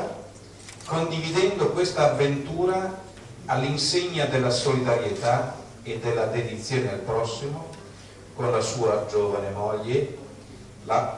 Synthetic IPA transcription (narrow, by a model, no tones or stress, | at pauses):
kond̪ivid̪ɛnd̪okwest̪aːvːent̪uːɾa | alːinseɲːad̪elːasolid̪aɾjet̪a | ed̪ːelːad̪ed̪it̪sːjoːnealpɾɔsːimo | konlasuːad͡ʒoːvanemoʎːe | la